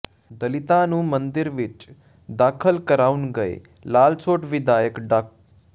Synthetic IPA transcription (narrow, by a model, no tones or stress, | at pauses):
d̪əlɪt̪ãnũːmə̃nd̪ɪɾʋɪt͡ʃ | d̪aːkʰəlkəɾaːunɡəḛ | laːlt͡ʃʰoːʈʋɪd̪aːjəkɖək̚